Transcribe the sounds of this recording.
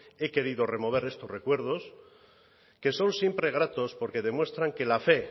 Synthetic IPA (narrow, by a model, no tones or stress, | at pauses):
e̞ke̞ɾiðo̞re̞mo̞β̞e̞ɾe̞st̪o̞zre̞kwe̞ɾð̞o̞s | ke̞so̞nsje̞mpɾe̞ɣ̞ɾat̪o̞spo̞ɾke̞ðe̞mwe̞st̪ɾaŋke̞lafe̞